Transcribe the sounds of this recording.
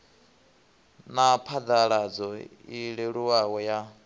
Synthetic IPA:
napʰad̪aɺad͡zɔiɺɛɺuwawɔja

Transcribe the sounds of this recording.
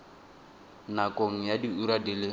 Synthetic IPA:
nakʼoŋ̩jadiuɾadilɪ

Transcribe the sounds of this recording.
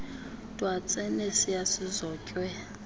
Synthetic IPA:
tʼwat͡sʼɛnesijasizɔːcʼwɛ

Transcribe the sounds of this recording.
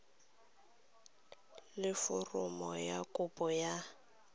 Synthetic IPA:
lɪfʊrʊmɔjakʼʊpʼɔja

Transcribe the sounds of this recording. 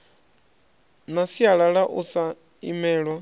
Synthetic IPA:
nasiaɺaɺaʔusa | ḭmɛːɺwa

